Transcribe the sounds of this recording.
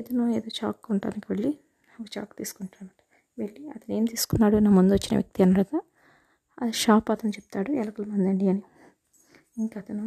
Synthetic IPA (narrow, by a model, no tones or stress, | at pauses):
ed̪ɐnoːeːd̪oːt͡ʃa̰ːkːuɳʈa̰ːnikiʋeɭːi | naːkut͡ʃa̰ːkt̪iːsu̥kuɳʈaːmɐʈɐ̥ | ʋeɭːiɐt̪ɐne̞ːmt̪iːsu̥kunːaːɽunaːmund̪uʋɐt͡ʃːinɐ̰ʋjɐ̰k̚t̪iɐnːɐɽɐɡ̪aː | ɐd̪iʃaːpat̪ɐnt͡ʃep̚t̪aːɽuɛlɐkɐlɐmɐnd̪ɐɳɖiɐni | iŋkɐt̪ɐnu